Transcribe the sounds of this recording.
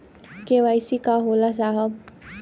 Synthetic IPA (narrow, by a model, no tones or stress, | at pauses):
keʋajsikaɦolas̬aɦə